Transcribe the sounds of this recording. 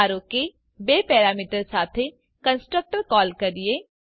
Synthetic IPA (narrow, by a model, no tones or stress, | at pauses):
aːɾõke | beːpɛːɾaːmiːʈəɾsaːt̪ʰe | kə̃nsʈɾək̚ʈəɾkɔːlkɐɾie